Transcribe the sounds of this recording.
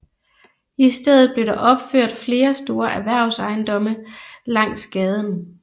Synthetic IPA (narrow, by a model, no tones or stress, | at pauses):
isd̥eð̞̰ˠð̩ˠb̥le̝ɾɑ̈ʔɒ̽b̥føɐ̰d̥fle̝ːɐsd̥o̝ːɐʔæʋæɐ̰ʊsɑ̈ɪnd̥ɒ̽məlɑ̈ŋ̰sɡ̥ɛːð̞ˠən